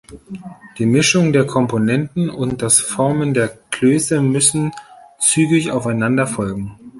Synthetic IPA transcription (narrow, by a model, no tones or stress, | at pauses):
d̥iːmɪʃʊŋdeːɐkʰɔmponɛntn̩ʊnt̚d̥asfɔɐməndeːɐkløːsəmʏsn̩t͡syːɡɪça̰ʊfaɪnandɐfɔlɡŋ̩